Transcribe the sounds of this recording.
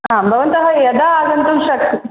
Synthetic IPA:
ɦãbʱɐʋɐnt̪ɐɦɐjɐd̪aːɡɐnt̪unɕɐk̚t̪i

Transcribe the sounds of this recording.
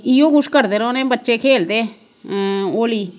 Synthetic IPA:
ijoːɡʊʃkəɾd̪eːɾoːnẽːbətːʃeːkʰeːld̪eː | oːliː

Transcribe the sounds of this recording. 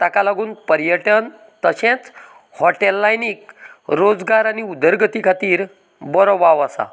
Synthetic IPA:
t̪akalaɡuːnpəɾjəʈən | t̪əɕẽt͡s | hɔʈelːajniːkɾod͡zɡaɾaniud̪əɾɡət̪ikʰat̪iːɾ | bɔɾoʋaʋasa̰

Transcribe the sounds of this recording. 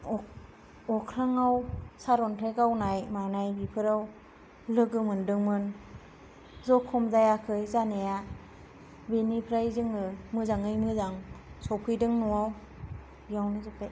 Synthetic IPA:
ɔ | ɔkʰɾaŋawsaɾɔntʰekawnajmanajbipʰɯɾaw | lɯɡɯmɯndɯŋmɯn | zɔkʰːɔmzajakʰɯjzaneja | benipʰɾajzɯŋɯmɯzaŋɯjmɯzaŋsɔwpʰɯjdɯŋnɔwaw | bijawnɯzɯp̚taj

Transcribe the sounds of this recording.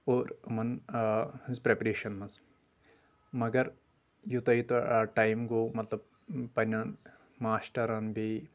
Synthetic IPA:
oːɾmɐn | hizpɾepɐɾeːʃɐnmɐz | mɐɡɐɾ | jut̪ɐjit̪uɐʈɐjmɡoːmɐt̪lɐb̚ | pɐnʲɐn | maːsʈɐɾɐnbi

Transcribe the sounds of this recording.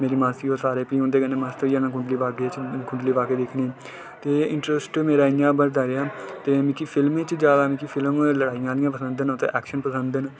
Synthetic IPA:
meːɾiːmaːt̪iːoːsaːɾeːpiːõnd̪eːɡəneːmaːst̪əiãːnãːkʊ̃ɳɖliːʋaːɡet͡ʃkʊɳɖliːʋaːkeːd̪ɪkʰniː | t̪eːɪɳʈɾəsʈmeːɾaːijãːbəɾd̪aːɾeaːt̪eːmɪ̃kipʰɪlmeːt͡ʃd͡ʒjaːd̪aːmĩkipʰɪlmləɽaːijãːd̪ɪjãːpəsə̃nd̪ənot̪ḛːʔɛːkʃənpəsənd̪ən

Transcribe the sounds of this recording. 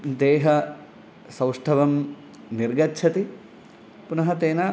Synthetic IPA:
d̪eːɦɐ | sɐwʂʈʰɐʋɐm | niɾɡɐtːʃʰɐt̪i | punɐɦɐt̪eːnɐ

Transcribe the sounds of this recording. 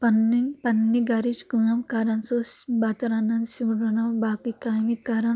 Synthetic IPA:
pɐnːipɐnːiɡɐɾiʃkunɐmkaɾɐnsosbat̪ɐɾanɐnsuɾɐnɐwbakikajmikaɾɐn

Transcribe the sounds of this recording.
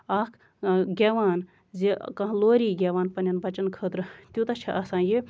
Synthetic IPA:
aːkʰ | ɡʲeːʋaːn | zekɐ̃ɦloːɾiːɡʲeːʋaːnpɐnʲjɐnbɐt͡ʃɐnkʰəːt̪ɾɨt̪ʲjut̪ɐt͡ʃʰiʔɐsãːnji

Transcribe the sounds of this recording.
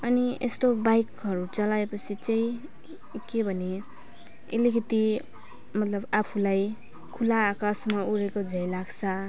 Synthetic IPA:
ʌniḛst̪obajkɦʌɾut͡sʌlaepʌt͡sʰit͡saĩ | kebʱʌne | ḛlikʰʌt̪i | mʌt̪lʌbapʰulaj | kʰulaːkasmauɾekod͡zʱʌjlaɡt͡sʰʌ

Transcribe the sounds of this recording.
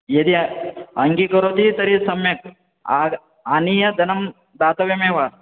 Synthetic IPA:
jed̪iɐŋɡikɐɾoːt̪it̪ɐɾisɐmjɐk̚ː | aːniːjɐd̪ɐnɐm | d̪aːt̪ɐʋjɐmeːʋaː

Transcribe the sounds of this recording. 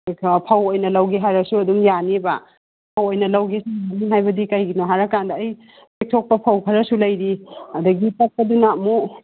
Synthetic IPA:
pʰɐwojnɐlɐwɡiɦaɾɐsuɐduŋjanibɐ | pʰɐwojnɐlɐwɡesujaniɦajbɐdikɐjɡinoɦaɾɐkandɐːj | pek̚tʰok̚pɐpʰɐwkʰɐɾɐsulɐjɾiɐdɐɡitɐt̚pɐdunamu

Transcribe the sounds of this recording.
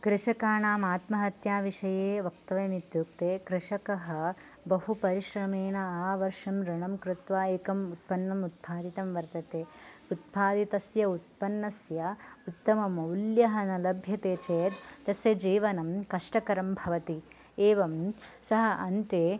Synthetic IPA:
kɾɪʂɐkaːɳaːmaːt̪mɐɦɐt̪jaːʋiʂɐjeːʋɐk̚t̪ɐʋɐmit̪juːk̚t̪eːkɾɪʂɐkɐɦɐ̆ | bɐɦupɐɾiʃɾɐmeːnɐaːʋɐɾʂɐmɾɪɳɐmkɾɪt̪ʋaːeːkɐmut̪̚pɐnːɐmut̪̚pʰaːd̪it̪ɐmʋɐɾt̪ɐt̪eːut̪̚pʰaːd̪it̪ɐsjɐut̪̚pɐnːɐsjɐut̪ːɐmɐmɐwljɐɦɐnɐlɐbʱjɐt̪eːt͡ʃeːt̪ːɐsjɐd͡ʒiːʋɐnɐmkɐʂʈɐkɐɾɐmbʱɐʋɐt̪i | eːʋɐmsɐɦɐʔɐnt̪eː

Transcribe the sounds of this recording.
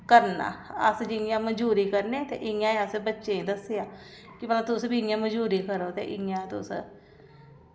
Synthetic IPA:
kəɾna̰ːə̰sd͡ʒɪjãːməd͡ʒuːɾiːkəɾneːt̪ḛːʔɪjãːeəseːbətːʃẽːd̪əsejãːkɪpəlat̪ʊsbiɪjãːməd͡ʒuːɾiːkəɾoːt̪ḛːʔɪjãːt̪ʊ̰s

